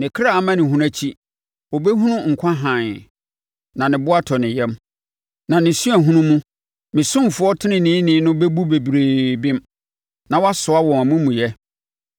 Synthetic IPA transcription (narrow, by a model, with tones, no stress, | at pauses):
nɪ̃˨kʰɪ˦ɾa˦˨a˦mã˦nɪ̃˨ɦũ˦ɾa˦t͡ɕʰi˦ | wo˨be˦ɦũ˦nʊ̃˦ŋ̩˨kʷʰã˦ɦã˨n | nã˨nɪ̃˨bʊ˦a˦tʰɔ˨nɪ̃˨jɛ˦m | nã˨nɪ̃˨su˦æ˨ɦũ˦nũ˦mũ˦ | mɪ̃˨sʊ̃˦m˨fʊ˦ɔ˦tʰɪ˦nɪ̃˦nɪ̃ː˦nɪ̃˨˦nʊ̃˦be˦bu˦be˨bɾe˨bɪ̃˦m | nã˨wa˦sʊ˨a˦wɔ̃˨a˨mʊ̃˦mũ˨jɛ˦